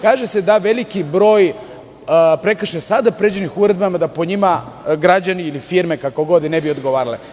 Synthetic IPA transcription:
kaːʒese̞d̪aʋe̞likibɾo̞ːj | pɾe̞k̩ʃesad̪apɾed͡ʑenixuɾe̞d̪bamad̪apo̞ɲima | ɡɾad͡ʑaniilifiɾme̞kako̞ɡo̞d̪nebio̞d̪ɡo̞ʋaːɾale

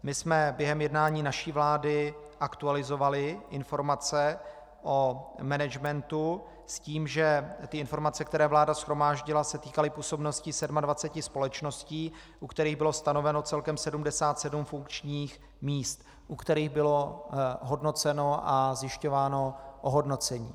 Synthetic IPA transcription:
mɪsmɛbjɛɦɛmjɛdnaːɲiːnaʃiːvlaːdɪ | ʔakt̪ualɪzo̞valɪʔɪnfo̞ɾmat͡sɛ | ʔomɛnɛd͡ʒmɛnt̪u | sciːmʒɛt̪ɪʔɪnfo̞ɾmat͡sɛk̚t̪ɛɾɛːvlaːdasxɾo̞maːʒɟɪlasɛt̪iːkalɪpuːso̞bno̞scɪsɛdmadvat͡sɛcɪspo̞lɛt͡ʃno̞sciː | ʔukt̪ɛɾiːɣbɪlo̞st̪ano̞vɛno̞t͡sɛlkɛmsɛdumdɛsaːt̪sɛdumfuŋkt͡ʃɲiːx | miːst̪ | ʔukt̪ɛɾiːɣbɪlo̞ɦo̞dno̞t͡sɛno̞ʔazjɪʃco̞vaːno̞ʔoɦodno̞t͡sɛɲiː

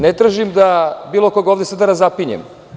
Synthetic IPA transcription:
net̪ɾaːʒimd̪abiːlˠokoɡaoːvd̪esad̪aɾazapiɲḛm

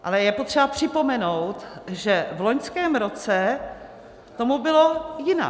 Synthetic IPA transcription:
ʔalɛjɛpot̪r̝ɛbapr̝̥ɪpo̞mɛnowt̪ʒɛvlo̞ɲskɛːmɾo̞t͡sɛ | t̪o̞mubɪlo̞jɪna̰

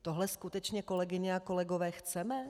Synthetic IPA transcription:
t̪oɦlɛskut̪ɛt͡ʃɲɛko̞lɛɡɪɲɛako̞lɛɡo̞vɛːxt͡sɛmɛ

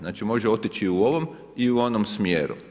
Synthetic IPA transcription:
naːt͡ʃimo̞ʒeo̞t̪it͡ʃiuo̞ʋo̞m | iuo̞nomsmjeːɾṵ

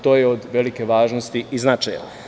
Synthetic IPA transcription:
t̪o̞ːjeod̪ʋe̞like̞ʋaːʒnost̪iiznat͡ʃajla

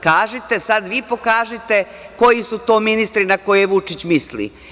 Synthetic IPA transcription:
kaːʒit̪esad̪ʋiːpo̞kaːʒit̪e̞ | ko̞jisut̪o̞ːminist̪ɾinako̞jeʋut͡ʃit͡ɕmislḭ

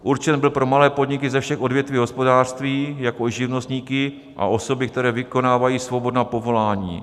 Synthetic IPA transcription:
ʔuɾt͡ʃɛnbɪlpɾo̞malɛːpo̞dɲɪkɪzɛfʃɛxʔo̞dvjɛt̪viːɦospo̞daːr̥st̪viːjako̞ʒɪvnost̪ɲiːkɪ | ʔa̰ʔo̞so̞bɪk̚t̪ɛɾɛːvɪko̞naːvajiːsvo̞bo̞dnaːpo̞vo̞laːɲḭː

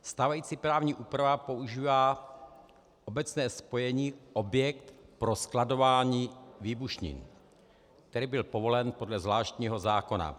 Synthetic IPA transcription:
st̪aːvajiːt͡sipɾaːvɲiːʔuːpɾavapo̞uʒiːvaː | ʔobɛt͡snɛːspo̞jɛɲiːʔobjɛkt̪pɾo̞sklado̞vaːɲiːviːbuʃɲḭn | k̚t̪ɛɾiːbɪlpovo̞lɛnpodlɛzvlaːʃt̪ɲiːɦo̞zaːko̞na̰

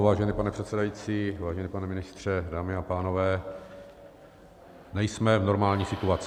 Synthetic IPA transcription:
vaːʒɛniːpanɛpr̥ɛt̪sɛdajiːt͡siːvaːʒɛniːpanɛmɪnɪst̪r̝̥ɛdaːmɪapaːno̞vɛː | nɛjsmɛvno̞ɾmaːlɲiːsɪt̪uat͡s

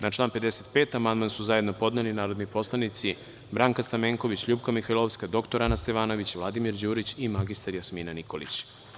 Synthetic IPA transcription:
nat͡ʃlˠaːnpe̞d̪eset̪pe̞ːt̪amand̪mansuzajed̪no̞po̞d̪nelinaːɾo̞d̪nipo̞slˠanit̪si | bɾaːŋkast̪ameːŋko̞ʋit͡ɕʎuːbkamixajlˠoʋskad̪o̞kt̪oɾanast̪e̞ʋaːno̞ʋit͡ɕʋlad̪imiɾd͡ʑuːɾit͡ɕimaɡist̪aɾjasmiːnaniko̞lḭt͡ɕ

